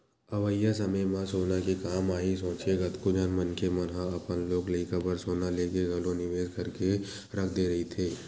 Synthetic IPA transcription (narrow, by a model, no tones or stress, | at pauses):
ɐʋəjːas̬ɐməjmãsoːnakikaːmaːɦis̬õːt͡ʃeɡɐt̪kod͡ʒɐnmɐnkʰemɐnɦaɐpənloːklɐikəbəɾsoːnaleːkeɡɐlõnɪʋeːzkɐɾke | ɾɐkʰd̪eɾɐɦit̪ʰeː